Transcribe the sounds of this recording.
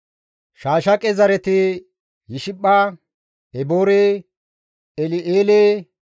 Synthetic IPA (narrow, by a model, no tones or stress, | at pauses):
ʃaːʃɐkʼɛzɐɾɛt̪ɪ | jɪʃɪɓːaː | ɛboːɾeː | ɛlɪʔeːleː